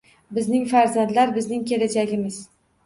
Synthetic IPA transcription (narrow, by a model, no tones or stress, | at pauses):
bɪznɪŋfaɾzand̪laɾbɪznɪŋkʲe̞lad͡ʒaɡʲɪmɪz